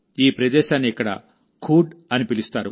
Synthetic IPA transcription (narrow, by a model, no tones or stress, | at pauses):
iːpɾɐd̪ɛːʃaːnːiɛkːɐɽɐ̰ | kʰuːɖɐnipilist̪aːɾṵ